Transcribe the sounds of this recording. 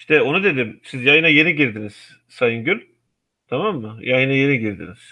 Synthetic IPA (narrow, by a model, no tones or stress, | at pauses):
iʃt̪ɛo̞nud̪e̞d̪imsizjajɯnaje̞niɟiɾd̪iniz̥ | sajɯnɟylʲ | t̪ʰamamːɯjʔajɯnaje̞niɟiɾd̪ḭniz̥